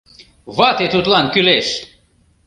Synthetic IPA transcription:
βɑt̪et̪ut̪lˠɑnkyleʃ

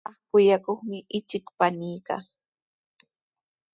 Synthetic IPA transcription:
ɑχkʊjakoχmɪʔɪt͡ʃɪkpanɪjka̰

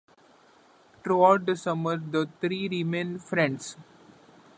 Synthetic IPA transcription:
ʈɾuaʊʈ̚d̪əsʌməɾd̪ət̪ʰɾiːɾimẽnfɾɛ̃ɳɖs

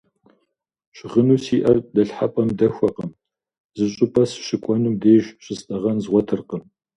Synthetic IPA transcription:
ɕʁənuːsiːʔɐrdɐɬħapʼɐmdɐxʷɐqəm | zɨɕʼʊpʰʼɐsɕɪkʷʼɔnumdeːʒɕʼɪsʔʼɐʁɐnzʁʷɔtʰɨrqəm

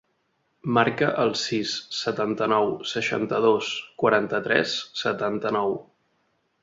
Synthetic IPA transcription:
maɾkəʔəlˠsisːət̪ant̪ənɔwsəʃa̰nt̪əð̞oskwəɾant̪ət̪ɾɛ̰sːət̪ant̪ənɔw

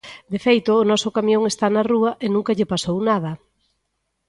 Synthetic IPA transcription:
d̪efejt̪ʊːnɔsʊkamjõŋest̪anɐruɐʔenũŋkɐʎɪpasownað̞ɐ

